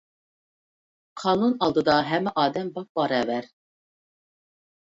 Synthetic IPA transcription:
qʰɑːnunɑlˠd̪ɨd̪ɑɦɛmːɛʔɑːd̪ɛmbɑq̚bɑɾɛːvæɾ

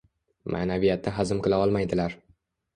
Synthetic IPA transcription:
mʔa̰ːnavijat̪̚nɪɦazɪmqɨlˠaɒlˠmajd̪ɪlaɾ

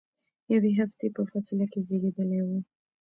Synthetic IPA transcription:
jaweɦaft̪epəfasɪlakezeɡed̪əlajwu

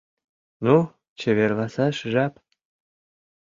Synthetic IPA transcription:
nu | t͡ɕĕβʲerlˠɑsɑʃʒɑp

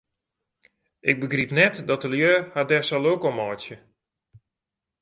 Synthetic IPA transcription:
ʔɪk̚bəɡripnɛtdɔtəljøːhadɛsɔlˠowkomɔjtjə

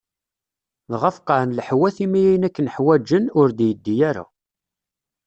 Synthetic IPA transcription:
ðʁəfqɑʕnləħwæθimijæjənækːənəħwæd͡ʒənʊɾd̪jəd̪ːijæɾa̰

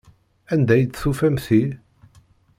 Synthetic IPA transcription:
ænd̪æjd̪sufæmθi

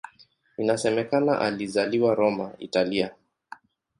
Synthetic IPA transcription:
inasɛmɛkana̰ʔalizaliwaɾɔmaḭtalia

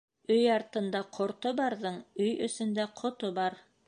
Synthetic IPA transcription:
ɵjɑɾt̪ɤ̆nd̪ɑqʰŏɾt̪obɑɾðɤɴɵjɵ̰̆sɵ̆nd̪æqʰŏt̪obɑɾ

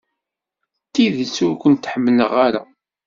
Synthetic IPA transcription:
t̪ːiðət͡sːʊɾkʷənt̪ħəmːələʁaɾa̰

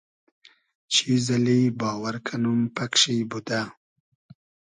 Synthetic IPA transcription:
t͡ʃʰizalibɑːwaɾkʰanumpakʂijbud̪a

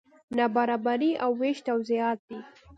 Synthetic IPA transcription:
nabaɾɑbaɾiawːeʃt̪awziɑt̪̚d̪̥i

